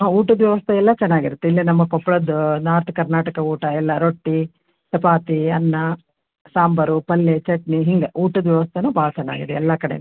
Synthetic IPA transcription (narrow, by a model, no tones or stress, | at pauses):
ɦauːʈɐd̪ʋjɛʋɐst̪ʰɐɛlːɐt͡ʃɛnːaːɡiɾut̪ːeilːinɐmːɐkɔpːɐɭɐd̪unaːɾt̪ʰɐkɐɾnaːʈɐkɐuːʈɐɛlːɐɾoʈːi | sɐpaːt̪iɐnːɐ | saːmbɐɾupɐlːet͡ʃɐʈniɦiŋɡeʔuːʈɐd̪ʋjɛʋɐst̪ʰɐnuːbʱaːɭɐt͡ʃɛnːa̰ːɡḭd̪eɛlːɐkɐɽḛ